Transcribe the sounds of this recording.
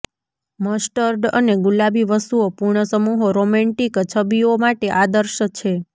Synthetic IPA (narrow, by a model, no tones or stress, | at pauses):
məsʈəɾɖə̰neɡulabiʋəst̪uopuɾɳəsəmuɦoɾomɛ̃ɳʈikt͡ʃʰəbiomaʈeʔad̪əɾʃət͡ʃʰe